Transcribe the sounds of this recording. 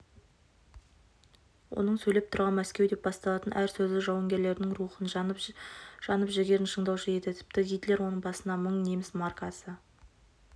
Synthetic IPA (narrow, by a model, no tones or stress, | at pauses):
wo̞̰nəɴsɵjlʲep̚t̪ʰʊɾʁɑnmæskʲe̞wd̪e̞p̚bɑst̪ɑlˠɑt̪ənʔæɾsɵzɪʒɑwɑŋɡʲe̞ɾle̞ɾɪnɪŋɾuχən | ʒ̥ɑnəpʒɪɡʲe̞ɾɪnʃəɴd̪ɑwʒejed̪ɪt̪ʰʏ̥p̚t̪ɪɡʲijt̪le̞ɾwo̞nəɴbɑsənd̪ɑməɴne̞mɪsmɑrkɑsə